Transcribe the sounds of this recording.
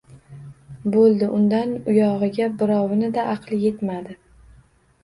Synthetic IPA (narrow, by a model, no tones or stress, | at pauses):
bolˠd̪ɪʔʊnd̪anʊjɒʁɨɡʲabɪɾɒwɪnɪd̪aʔɑqʰlˠɪje̞t̪mad̪ɪ